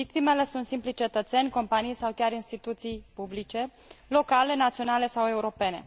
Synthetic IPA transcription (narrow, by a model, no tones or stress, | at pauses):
vik̚t̪ime̞le̞sunt̪simplit͡ʃe̞t̪ət̪senʲko̞mpanijsawkʲaɾinst̪it̪ut̪sijpublit͡ʃe̞ | lo̞kale̞nat̪sio̞nale̞sawe̞uɾo̞pe̞ne̞̰